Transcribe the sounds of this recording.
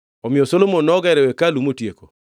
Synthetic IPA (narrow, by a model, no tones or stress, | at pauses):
ɔmɪɔsolomonːɔɡɛɾɛwɛkalumotjeko